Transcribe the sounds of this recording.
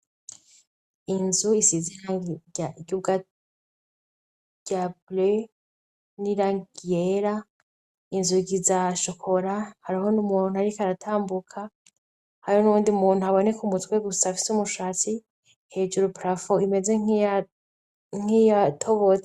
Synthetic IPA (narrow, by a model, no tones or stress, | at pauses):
inzuisiziɾa | ɡub̚ɡa | ɟ̥able | niɾaŋɡijeɾa | inzuɡizaʃokʰo̞ɾahaɾiɦo̞numuːn̥uaɾikaɾatʰaːmbukʰa | haɾonuuːndiumuːn̥uaβo̞ne̞kumutkwe̞ɡusafi̥sumuʃaːt͡si | he̞ːd͡ʒuɾupɾafoime̞zeŋa | ŋ̥ijatʰo̞βot͡se